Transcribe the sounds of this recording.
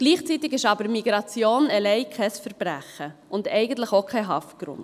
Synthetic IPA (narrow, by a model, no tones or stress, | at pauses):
ɡ̥liːχt͡sit̪ɪɡɪʃɑbəɾmiɡɾɑt͡sjoːnɛlɛɪkʰɛsfəɾb̥ɾæ̰χəʔʊndɛɪɡən̩t̪ləχokʰɛɪɦɑftɡ̥ɾʊ̰nd